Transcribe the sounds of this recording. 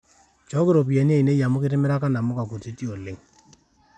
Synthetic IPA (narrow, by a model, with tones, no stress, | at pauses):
t͡ʃɔ˦kɪ˦ɾo˨p̬i˨ja˨ni˦e˦i˨ne˦ja˨mʊ˦kɪ˦tɪ˦mɪ˦ɾa˦ka˦na˨mʊ˦ka˨ku˨ti˦ti˦o˨lɪ˦ŋ